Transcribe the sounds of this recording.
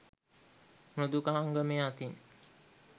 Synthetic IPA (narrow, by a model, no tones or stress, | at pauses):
nod̪ukaɦaŋɡəmeat̪in